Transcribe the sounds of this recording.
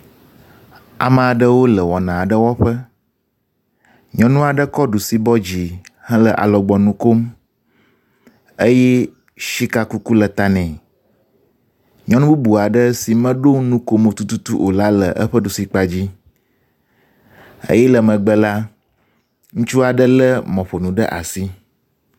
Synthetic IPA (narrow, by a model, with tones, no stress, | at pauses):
a̰˨mə̃˨a˨ɖə˦wo˦lə˨wɔ˨nã˨a˨ɖə˦wɔ˦ɸə˦ | ɲɔ̃˨nũ˦a˨ɖə˦kɔ˦ɖu˨si˦bɔ˦d͡ʑi˨hə̃˦lə˨ʔa̰˨lɔ˨ɡ͡bɔ˨nũ˦ko˦m | ə˦jɛ˦ | ʃi˦ka˨ku˦ku˦lə˨t̪a˨nɛ̃˨ | ɲɔ̃˦nũ˦bu˦bu˨a˨ɖə˦si˨mə̃˦ɖo˦nũ˦ko˦mo˨t̪u˦t̪u˦t̪u˦ʔo˨la˦lə˨ʔə̰˦ɸə˦ɖu˨si˦k͡pa˨d͡ʑi˦ | ə̰˦jɛ˦lə˨mə̃˨ɡ͡bə˨la˦ | ŋũ˦t͡ʃu˦a˨ɖə˦lə˦mɔ̃˨ɸo˨nũ˨ɖə˦ʔa̰˨si˦